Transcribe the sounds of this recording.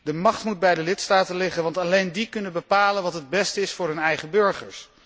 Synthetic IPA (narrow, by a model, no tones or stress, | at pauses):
dəmɑχtmud̚bɛjdəlɪtstaːtənlɪχənʋɑntɑlejndikɵnənbəpaːlənʋɑtɦəd̚bɛstəɪsfʊːɹɦɵnɛjχəbɵɹχəɹs